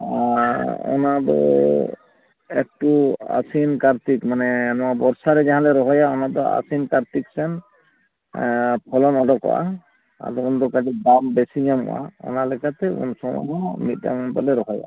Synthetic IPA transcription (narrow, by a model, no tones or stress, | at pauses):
ɔ̰nad̪ɔ̰ | ɛk̚ʈua̰sinkaɾt̪ikmanɛnɔwabɔɾsaɾɛd͡ʒaɦãlɛɾɔɦɔjaɔnad̪ɔa̰sinkaɾt̪iksɛn | pʰɔlɔnɔdɔkɔ̰wʔa̰ | a̰dɔund̪ɔkadidambɛsiɲamɔ̰wa̰ɔ̰nalɛkat̪ɛṵnsɔmɔ̰ɦɔmit̪̚ˀda̰ŋɔnpalɛɾɔɦɔja̰